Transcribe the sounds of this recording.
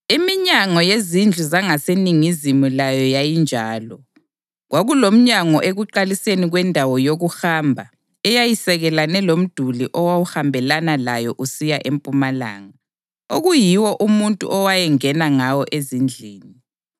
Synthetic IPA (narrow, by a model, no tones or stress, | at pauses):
imiɲaŋɔjezind͡ɮʱuzaŋaseniŋizimulajɔjajind͡ʒʱaːlɔ | ɣwʔaɣulom̩ɲaŋɔʔeɣuǃaliseniɣwɛndʱawɔjoɣuxaːmbʱa | ɛjajisɛɣɛlanɛlom̩d̥ʱuliʔɔwawuhambʱɛlanalajɔʔusijaʔempʼumala̰ːŋa | oɣujiwɔʔumuntʼṵʔɔwajɛŋɛnaŋawɔʔezind͡ɮʱiːni